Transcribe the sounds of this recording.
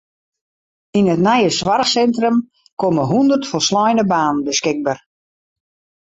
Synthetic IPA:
inətnajəsʋaɾəsɛntrəm | koməɦundərtfɔlˠslɔjnəbaːnənbəskɪɡ̚bar

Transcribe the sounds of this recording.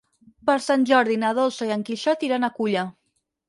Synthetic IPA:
pəɾsanʲʒɔɾðinaðɔlˠsoiəŋkiʃɔt̪iɾanakuʎə

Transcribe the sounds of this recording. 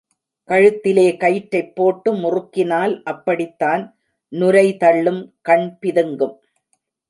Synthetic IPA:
kɐɻɯt̪ːɪleːkɐjʈːɐɪpːoːʈːɯmʊrʊkːɪnaːlʔɐpːɐɽɪt̪ːaːn | nʊɾɐɪt̪ɐɭːɯmkɐɳpɪðɯŋɡɯm

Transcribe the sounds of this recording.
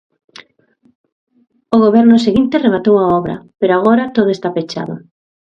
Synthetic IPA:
oɣoβɛɾnʊseɣint̪eremat̪owaɔβɾɐ̰peɾoaɣ̞ɔɾɐt̪oðʊest̪apet͡ʃa̰ðʊ̰

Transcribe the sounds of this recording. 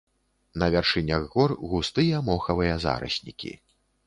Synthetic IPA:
nɐvʲarʂɨnʲɐɣɣɔrɣust̪ɨjɐmɔxɐvɨjɐza̰ɾɐ̰sʲnʲḭkʲḭ

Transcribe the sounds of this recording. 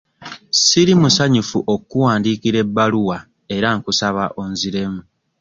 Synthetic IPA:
siɾimusaɲufuʔo̞kːuwaːndiːkiɾe̞bːaluwa | e̞ɾaŋkusaβaʔo̞nziɾe̞mu

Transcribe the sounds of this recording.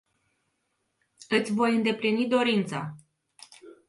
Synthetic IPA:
ɨt̪sʲvo̞jɨnd̪e̞plinid̪o̞ɾint̪sa̰

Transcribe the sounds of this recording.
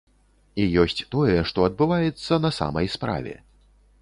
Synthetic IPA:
ijɔsʲt͡sʲt̪ɔjɛʂt̪ɔɐd̪̚bɨvajɛt̪sːɐnɐsa̰mɐjspɾa̰vʲɛ̰

